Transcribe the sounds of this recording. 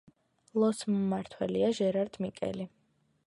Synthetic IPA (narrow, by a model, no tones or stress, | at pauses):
lˠɔsmːaɾt̪ʰwɛ̰liaʒɛɾaɾd̪ʰmikʼɛ̰li